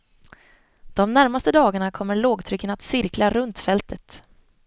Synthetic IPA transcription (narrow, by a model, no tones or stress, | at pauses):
d̪̥ɔmnæɾmast̪əd̪ɑːɡaɳakʰɔmːəɭoːɡt̪ʰɾʏkːənat̪sɪɾklaɾɵnt̪fɛlt̪ʰət̪